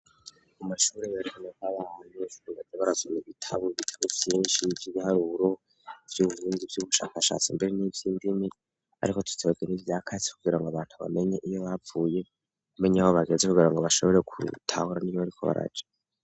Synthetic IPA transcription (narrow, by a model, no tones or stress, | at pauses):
umaʃuːɾejaɾikonekaβaːniiuβazeβaɾazomiβitʰaβoβitʰaβuvjiːʃivjiβihaɾuɾo̞ | vjuːβuuːndivjuβuʃaːkaʃa̰ːt͡simbe̞ɾenivjiːndimi | a̰ɾiko̞tʰu̥tʰeβeɡenivjaːkʰazi̥kuɡiɾaŋɡoaβaːn̥tʰuβa̰me̞ɲeʔijo̞βafuːje̞ | kumeɲawoβaɡe̞nzekuɡiɾaŋɡoβaʃo̞βo̞ɾe̞kʰṵtʰahuɾanijoβaɾikʰo̞̰βa̰ɾa̰d͡ʒḁ